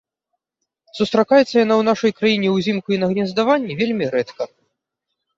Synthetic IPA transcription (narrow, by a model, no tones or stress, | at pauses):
sust̪ɾakajɛt̪sːɐjanawnaʂɐjkɾajinʲɛwzʲimkuinɐɣnʲɛzd̪avanʲːɛvʲelʲmʲiɾɛt̪kɐ